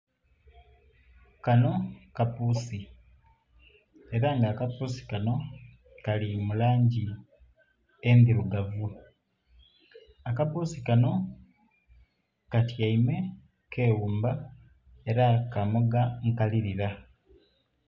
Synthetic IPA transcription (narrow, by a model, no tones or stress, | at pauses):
kano̞kapuːsi | e̞ɾaŋɡaːkapuːsi̥kano̞ | kalimulaːɲɟi | endiɾuɡavu | akapuːsikano̞ | katjaime̞ | kʰe̞ːwuːmba | e̞ɾakamoɡaŋkaliɾiɾa